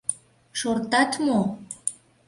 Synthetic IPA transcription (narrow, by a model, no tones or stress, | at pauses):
ʃort̪ɑt̪mo